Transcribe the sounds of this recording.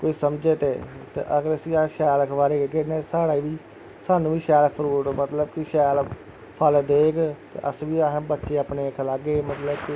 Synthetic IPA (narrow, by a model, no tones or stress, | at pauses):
koːiːsəmd͡ʒeːt̪eːt̪ḛːʔəɡəɾəsiːaːʃɛːlkʰʋaːɾeːɡekɪnãːsaːɽaːiːʋiː | saːnũːʋiːʃɛːlpʰəɾuːʈmət̪ləbkiʃɛːl | pʰəld̪eːkt̪ḛʔəsʋiːaːbətːʃeːapneːəkʰlaːɡeːmət̪ləbkː